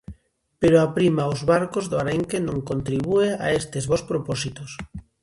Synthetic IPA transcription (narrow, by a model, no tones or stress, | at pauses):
peɾoapɾimaozβaɾkozðoaɾeŋkenõŋkont̪ɾiβuea̰est̪ezβospɾopɔsit̪os